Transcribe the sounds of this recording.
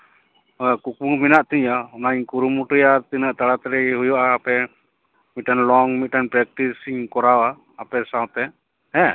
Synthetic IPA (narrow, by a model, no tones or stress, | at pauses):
kuk̚uŋminaʔt̪iɲaɔnaiɲkuɾumuʈəjaɾt̪inaʔt̪aɽat̪ɛɾɛɦujɔʔaːpɛ | mit̪̚ʈanlɔŋmit̪̚ʈanpɾɛk̚ʈisiŋkɔɾawaː | pɛsawt̪ɛ | ɛ̃